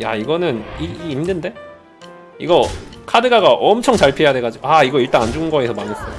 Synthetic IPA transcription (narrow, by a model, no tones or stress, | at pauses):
jaiɡʌnɯniːnːɯnde̞ | iɡʌkʰadɯɡaɡaʔʌmt͡ɕʰʌŋt͡ɕaɭpʰiejadwe̞ɡad͡ʑiɡuaiɡʌiɭt͈aŋand͡ʑuɡɯnɡʌesʰʌmaŋɯs͈ʌo